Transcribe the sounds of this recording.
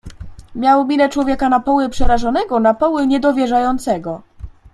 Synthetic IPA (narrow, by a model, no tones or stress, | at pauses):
mʲjawmʲilɛt͡ʂwɔvʲjɛkanapɔwɘpʂɛɾaʐɔnɛɡɔnapɔwɘɲɛd̪ɔvʲjɛʐajɔnt̪sɛɡɔ